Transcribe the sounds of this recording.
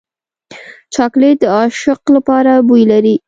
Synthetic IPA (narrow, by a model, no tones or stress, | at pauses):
t͡ʃɑkled̪əɑʃɪqlapɑɾabujlaɾi